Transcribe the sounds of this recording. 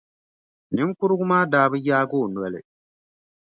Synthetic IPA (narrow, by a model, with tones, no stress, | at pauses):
nɪ˨˦m˦ku˦ɾʊ˦ɡʊ˦maː˦daː˨˦bɨ˦jaː˦ɡo˦˨n˨ɛ˨lɪ̰˨